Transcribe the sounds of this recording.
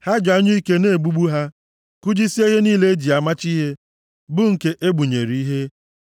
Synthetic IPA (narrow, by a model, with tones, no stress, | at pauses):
ha˦d͡ʒa˦ɲʊ˦i˦ke˦ne˦˨ɡ͡bu˦ɡ͡bu˦ɦa˦ | ku˦d͡ʒi˦si˦e˦ɦe˦niː˦le˦e˦d͡ʒi˨a˨ma˦t͡ʃi˦ɦe˦ | bʊ˦ŋ̩˨ke˦ʔe˦ɡ͡bu˨ɲḛ˨ɾi˨i˦ɦe˦